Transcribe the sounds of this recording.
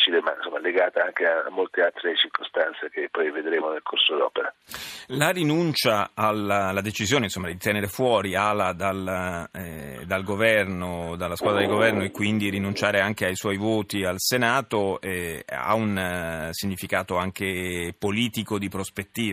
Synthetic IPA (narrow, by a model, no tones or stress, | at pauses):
t͡ʃilema̰insomːaleɡaːt̪aaŋkea̰ːmːolt̪ealt̪ɾet͡ʃirkʰost̪ant̪sekepːɔjved̪ɾeːmonelkʰorsod̪ɔːpeɾalarinunt͡ʃaːlalad̪et͡ʃizjoːneinsomːad̪it̪ɛneɾefwɔːɾialad̪al | d̪alɡovɛrnod̪alːaskwaːd̪ɾad̪iɡovɛrnoekːwind̪iɾinunt͡ʃaːɾeaŋkeajswɔjvoːt̪ialsenaːt̪oɛa̰unsiɲːifikaːt̪oaŋk̟epoliːt̪ikod̪ipɾospet̪ːiːv